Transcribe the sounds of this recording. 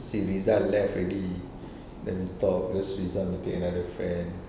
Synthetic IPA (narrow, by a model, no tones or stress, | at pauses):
siɹizanlɛfɹɛdi | dɛ̰̃nit̪ɔp̚ɡɔsɹizanit̪ekənadəfɹɛ̃n